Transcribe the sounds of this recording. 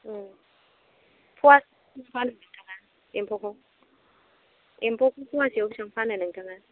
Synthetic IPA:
pʰuwasiŋ̩fanɛɛŋtʰʼaŋan | ḭmpʰɔkʰɔ | impʰʼɔkʰɔpʰuwasiauʃaŋ̩fanɛnɛŋtʰʼaŋana

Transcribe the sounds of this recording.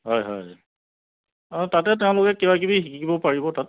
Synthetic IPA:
ɦɔjɦɔ̰j | tatɛtɛʊ̃lʊkɛkebak̬ibixikʰikibɔpaɹibɔtat̚

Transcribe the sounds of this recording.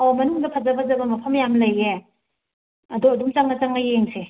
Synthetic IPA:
ɔmɐnuŋdɐpʰɐzɐbɐzɐbɐmɐpʰɐmjamlɐje | ɐduɐdumt͡ʃaŋnɐt͡ʃaŋɐjeŋse

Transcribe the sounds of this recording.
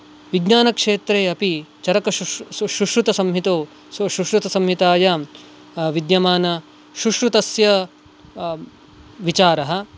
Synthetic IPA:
ʋiɡnaːnɐkʂeːt̪ɾeːɐpit͡ʃɐɾɐkɐʃɾuʂɾut̪ɐsɐmɦit̪oː | ʃɾuʂɾut̪ɐsɐmɦit̪aːjɐ | ʋid̪jɐmaːnɐ | ʃɾuʂɾut̪ɐsjɐ | ʋit͡ʃaːɾɐɦɐ̆

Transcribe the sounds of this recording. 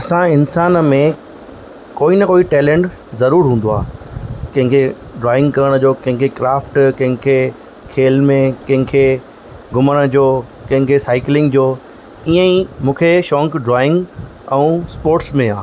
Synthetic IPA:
ɐsãɪnsaːnmẽ | koːinɐkoːiʈɛːlẽːɳʈ | zɐɾuːɾɦũːn̆d̪oa̰ːkɐ̃ɦɪ̃ŋkʰe | ɖɾaːɪ̃ŋɡkɐɾəɽ̃ə̆d͡ʑoːkɐ̃ɦɪ̃kʰekɾaːfʈkɐ̃ɦɪ̃kʰe | kʰeːlmẽkɐ̃ɦɪ̃kʰe | ɡʊməɽ̃ə̆d͡ʑoː | kɐ̃ɦɪ̃kʰesaːɪklɪ̃ŋɡd͡ʑoː | iə̃imũːkʰeʃɔ̃ːŋkɖɾaːɪ̃ŋɡ | ɛ̃ũːspoːɾʈsmẽãː

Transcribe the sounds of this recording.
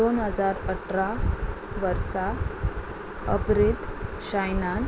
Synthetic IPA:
onɦəd͡zaɾəʈʰɾa | ʋəɾsa | əbɾit̪ | ɕajnan

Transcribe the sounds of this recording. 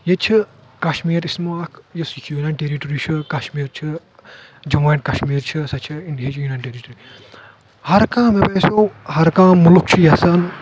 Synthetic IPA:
jet͡ʃʰikɐʃmiːɾismɐakʰjɐsikʰjuːnanʈeɾiʈɾit͡ʃʰɨkɐʃmiːɾt͡ʃʰɨ | d͡ʒɐmɐːnkɐʃmiːɾt͡ʃʰɨsɐt͡ʃʰiinɖijɐt͡ʃʰjunaːnʈeːɾiʈɾi | hɐɾkãːmepeːsoːhɐɾkãːmːulukt͡ʃʰujɐsan

